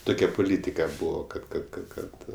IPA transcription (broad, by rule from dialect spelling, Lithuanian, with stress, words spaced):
ˈtʊkʲɛ pʊˈlʲiːtʲɪkɐ ˈbuːʋoː kɐt kɐt kɐt ˈkɐt